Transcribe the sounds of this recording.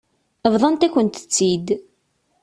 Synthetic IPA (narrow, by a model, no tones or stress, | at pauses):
əvðˤɑnt̪æçʷənt̪ə̥t͡sːid̪